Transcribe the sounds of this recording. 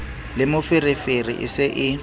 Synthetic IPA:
lɪmʊfɪrɪferḭʔɪ̰sɪʔɪ

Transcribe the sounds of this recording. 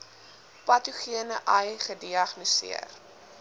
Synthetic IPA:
pɐtuχiənəʔɐjχədiɐχnisḭər

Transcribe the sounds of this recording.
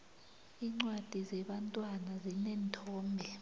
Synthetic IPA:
iːŋ͡ǀwad̥ʱizɛɓantʼwanazinɛːntʰɔːmbʱɛ

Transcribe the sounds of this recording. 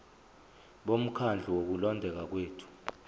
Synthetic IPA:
ɓom̩kʰand͡ɮʱuwok̬ulɔndʱɛk̬ak̬weːtʰu̥

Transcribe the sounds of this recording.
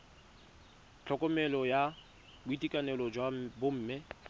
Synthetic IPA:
t͡ɬʰɔkʼɔmɛlɔja | bʊitʼikʼanɛlɔd͡ʒwabʊm̩ːmɪ

